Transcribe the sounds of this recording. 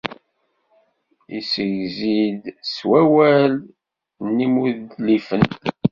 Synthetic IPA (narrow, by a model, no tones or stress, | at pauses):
isəʝzid̪swæwæl | nːimuðlifən